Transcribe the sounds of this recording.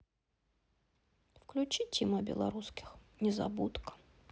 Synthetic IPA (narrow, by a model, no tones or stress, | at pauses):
fklʲʉt͡ɕitʲɪməbʲɪ̰lˠɐ̰ɾuskʲɪ̥xnʲɪzɐ̰but̪kə̥